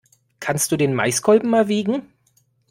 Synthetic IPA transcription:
kʰanstd̥uːdeːnma̰ɪsɡʰɔlbm̩maːlviːɡŋ̩

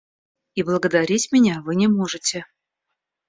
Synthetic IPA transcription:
iblˠəɡəd̪aɾʲitʲmʲɪnʲavɨnʲɪmoʐɨtʲɪ

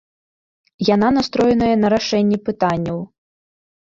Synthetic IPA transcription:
jananast̪ɾɔjɛnɐjɐnɐɾaʂɛnʲːipɨt̪anʲːɐw

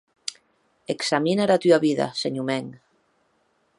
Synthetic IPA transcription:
eksaminaɾat̪yaβiða̰seɲumeŋ

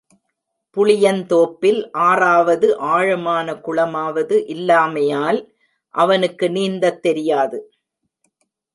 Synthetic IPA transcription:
pʊɭɪjɐnt̪oːpːɪlʔaːraːʋɐðɯʔaːɻɐmaːnɐkʊɭɐmaːʋɐðɯʔɪlːaːmɐjaːl | ʔɐʋɐnɯkːɯniːnd̪ɐt̪ːɛɾɪjaːðɯ

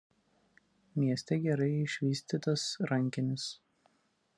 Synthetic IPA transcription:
mʲiɛsʲt̪ʲɛɡʲɛɾɐɪɪʃʲʋʲiːsʲt̪ʲiːt̪ɐsɾɐŋʲkʲɪnʲɪs

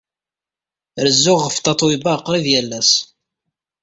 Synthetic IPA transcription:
ɾəzːʊʁəft̪ɑt̪ˤwibɑqːɾiðjælːæs

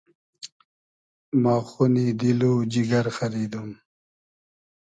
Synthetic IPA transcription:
maːxunid̪iloːd͡ʑiɡɐɾxɐɾiːd̪um

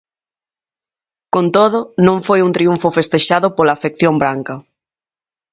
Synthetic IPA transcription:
kont̪oðʊnõŋfojunt̪ɾiuɱfʊfest̪eʃaðʊpolaːfekθjombɾaŋkɐ

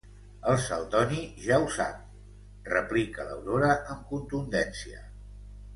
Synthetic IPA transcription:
əlˠsəlˠd̪ɔniʒawsa̰t̪̚ | rəplikələ̰wɾoɾəʔəmkunt̪und̪ɛnsiə̰

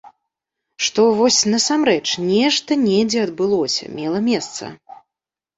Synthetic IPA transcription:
ʂt̪ɔvɔsʲnɐsamɾɛt͡ʂnʲɛʂt̪ɐnʲɛd͡zʲɛɐd̪bɨlˠɔsʲɐ̰mʲɛlˠɐmʲɛst̪sɐ̰

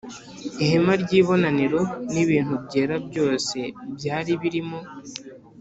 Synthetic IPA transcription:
ihemaɾɟiːβo̞naneɾo̞niβiːntuβɟeːɾabɟo̞ːse̞bjaːɾiβiɾimo̞

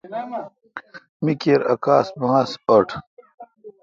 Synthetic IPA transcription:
mikeɾɐ̰kaːsbɐŋasoʈʰ

